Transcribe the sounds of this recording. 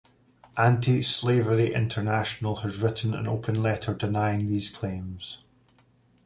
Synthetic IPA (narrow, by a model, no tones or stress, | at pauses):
ʔãntʰislˠevəɹiʔɪ̰̃ntʰə˞naʃənəlˠəzɹɪʔn̩ə̰̃no̰pʰə̃nlˠɛʔʰə˞dɪnaɪɪ̃ŋðiːz̥kʰl̥ẽmz̥